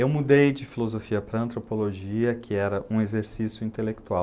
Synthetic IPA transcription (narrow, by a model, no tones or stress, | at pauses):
ewmud̪ejd͡ʒɪfilozofiɐpɾɐɐ̃nt̪ɾopoloʒiɐkʰɪɛɾɐũezeɾsisjʊĩnt̪elek̚t̪uaw